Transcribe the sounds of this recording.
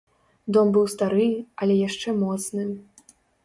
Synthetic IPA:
d̪ɔmbɨwst̪aɾɨɐlʲɛjaʂt͡ʂɛmɔt̪snɨ

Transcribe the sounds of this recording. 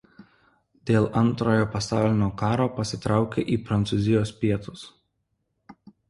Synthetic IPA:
d̪ʲeːlˠʔɐnˑt̪ɾoːjoːpɐsɑˑʊlʲɪnʲoːkɑːɾoːpɐsʲɪt̪ɾɑˑʊkʲeʔiːpɾɐnt̪sʊzʲɪjoːspʲiɛt̪ʊs

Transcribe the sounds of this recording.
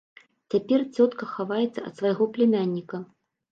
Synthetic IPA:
t͡sʲapʲɛrt͡sʲɔt̪kɐxavajɛt̪sːɐɐ̰t̪svajɣɔplʲɛmʲanʲːikɐ

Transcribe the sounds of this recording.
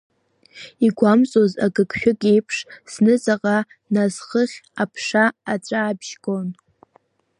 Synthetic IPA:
iɡʷamt͡sʼozaɡɨkʼʃᶣʊɡʼejpʰʂsnɨt͡sʼaqʼa | nazχəχʲapʰʂaat͡ʃʷʼaːbʒ̥ɡʼon

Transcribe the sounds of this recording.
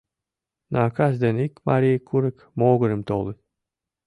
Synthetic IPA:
naːkazd̪enikmaɾʲijkʰːuɾɨk | mɔːɡʊɾɨmt̪olˠɨ

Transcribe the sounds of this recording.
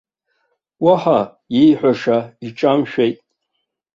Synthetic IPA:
waħa | jejħʷᶣaʂaiʈ͡ʂʼamʃᶣejtʼ

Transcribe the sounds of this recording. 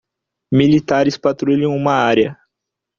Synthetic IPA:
milit̪aɾɪspat̪ɾuʎɐ̃w̃ũmɐaɾjɐ

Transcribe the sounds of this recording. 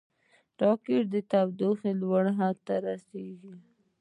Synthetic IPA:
ʈɑkeɾd̪ət̪awd̪oxelwaɽɦat̪ːaɾaseɡi

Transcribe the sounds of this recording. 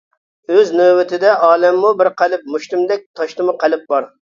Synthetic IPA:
øznøwɪt̪ʰɪd̪ɛʔɑːlˠɛmːubɪɾqʰælɪp̚muʃt̪ɪmd̪ɛk̚ʲt̪ʰɑʃt̪ɨmʊqʰælɪp̚bɑɾ

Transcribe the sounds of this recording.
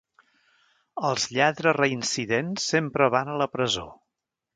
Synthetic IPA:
əlˠzʎaðɾərəinsiðensːempɾəβanələpɾəzo̰

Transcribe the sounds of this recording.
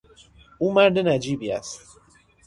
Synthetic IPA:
umaɾdɨnad͡ʒibija̰s

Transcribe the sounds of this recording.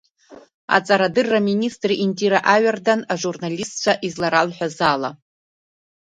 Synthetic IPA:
a̰t͡sʼaɾadɨrːaministʼriʔintʼiɾaʔaɥardanaʐurnalistt͡ʃʷʰaʔizlaɾalħʷᶣazala

